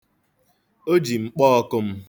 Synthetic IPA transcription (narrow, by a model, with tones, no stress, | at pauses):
o˦d͡ʒi˨ŋ͡m̩˨k͡pɔː˦ɔ˦kʊ˦m̩˦